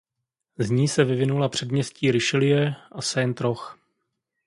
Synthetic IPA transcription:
zɲiːsɛvɪvɪnulapr̝̥ɛdmɲɛsciːɾɪʃɪlɪjɛʔasɛnt̪ɾox

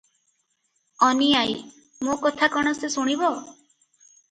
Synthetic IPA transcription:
ɔniaj | mokɔt̪ʰakɔɽ̃ɔsesuɽ̃ibɔ

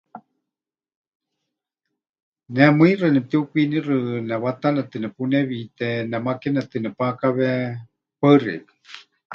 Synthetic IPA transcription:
nɛmɨirɨnɛp̚t̪iukinirɨnɛβat̪anɛt̪ɨnɛpunɛβit̪ɛnɛmakɛnɛt̪ɨnɛpakaβɛ | pəɨrɪ̰k

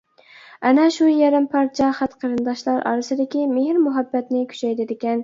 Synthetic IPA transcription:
ɛnɛʃujɛɾɪmpʰɑɾt͡ʃʰɑχæt̪qʰəɾɨnd̪ɑʃlˠɑɾʔɑ̰ɾɨsɨd̪ɪkʲimeɦɾmʊɦæbːɛt̪nɪkʲʰy̥t͡ʃʰɛjd̪ɪd̪ɪkʲɛn

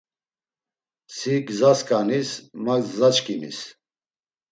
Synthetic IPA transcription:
siɡzaskʼanismazːat͡ʃkʰʼinḭs

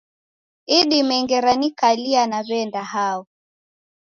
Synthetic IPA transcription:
iɗimɛŋɡɛɾanikalianaβɛndahaɔ

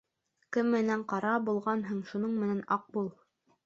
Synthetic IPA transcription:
kɘmːɘ̆næɴqɑɾɑbulˠʁɑnɦɤ̆ɴʃunɤɴmɘ̆nænɑq̚bulˠ

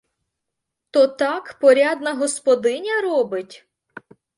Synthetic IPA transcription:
t̪ɔt̪ɑkpɔɾʲɑd̪nɐɦɔspɔd̪ɪnʲɐɾɔbɪtʲ

